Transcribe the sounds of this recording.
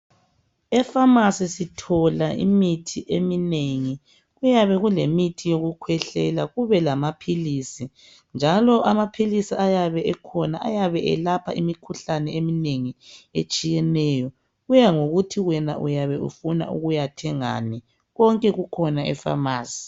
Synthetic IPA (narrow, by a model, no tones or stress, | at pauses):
ɛfamasisitʰɔlaʔḭmitʰiʔemineŋi | ɣujaβɛɣulemitʰijoɣukʰwɛɬɛlaɣuβɛlamapʰilisi | nd͡ʒʱalɔʔamapʰilisiajaβɛʔɛkʰɔnaajaβɛʔɛ̰lapʰa̰imikʰuɬanɛemineŋiḛt͡ʃʼijɛnɛjɔ | ɣujaŋoɣutʰiɣwɛna̰ʔujaβɛʔṵfuna̰ʔṵɣujatʰɛŋa̰ni | ɣɔŋkʼɛɣukʰɔnaʔɛ̰fa̰maːsi̥